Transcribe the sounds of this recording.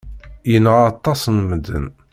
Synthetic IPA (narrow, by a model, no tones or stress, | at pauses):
jənəʁɑt̪ˤːɑsnməd̪ːə̰n